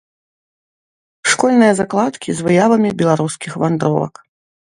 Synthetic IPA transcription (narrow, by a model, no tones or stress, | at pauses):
ʂkɔlʲnɨjɐzaklˠat̪kʲizvɨjavɐmʲibʲɛlˠaɾuskʲixvand̪ɾɔ̰lˠɐ̰k